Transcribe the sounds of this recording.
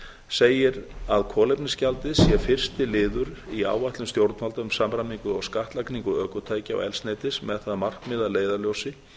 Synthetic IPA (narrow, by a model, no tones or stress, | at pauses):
seːjɪɾaðkʰɔːlejpnɪscalt̪ɪðsjɛfɪr̥st̪ɪlɪːðʏɾia̰ːwajht̪lʏmst̪jowɾt̪nmalt̪aʏmsamɾamiŋkʏɔɣskaht̪lakniŋkʏœːkʏt̪ʰaːjcɪa̰wɛ̰lsnɛːt̪ɪsmɛðθaðmar̥kmɪðaleːjðaljowsɪ